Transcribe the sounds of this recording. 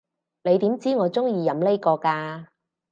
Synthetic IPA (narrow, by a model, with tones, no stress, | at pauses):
le˨˧jt̪iː˨˥mt͡siː˥ŋɔː˨˧t͡sʊ˥ŋjiː˧jɐ˨˥mle˥jkɔː˧kaː˧